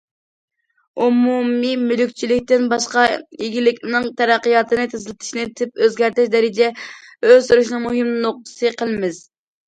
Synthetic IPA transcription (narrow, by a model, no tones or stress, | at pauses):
umumimylykʲt͡ʃʰilɪkʲt̪ɪnbɑʃqɑiɡʲilɪkʲnɨŋt̪ʰɛɾæqːəjɑt̪ʰɨnɨt̪ʰɪzɪlɪt̪ʰɪ̥ʃnɪt̪ʰɪp̚øzɡʲæɾt̪ɪʃd̪ɛɾɪd͡ʒɛ | øzsuɾuʃnɨŋmuɦɪmnɨnoq̚t̪ʰɨ̥sɨqʰəlˠɨmɪz